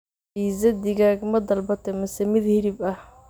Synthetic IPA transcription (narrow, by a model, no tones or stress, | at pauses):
iːzɐd̪ɪɡaːɡɐmɐd̪ɐlbɐt̪ʰɛmɐsɛmɪd̪hɪɾɪbɐh